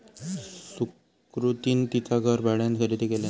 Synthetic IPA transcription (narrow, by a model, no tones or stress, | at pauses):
su | kɾut̪iːnt̪it̪aɡʱəɾbaɽjãnkʰəɾit̪ekela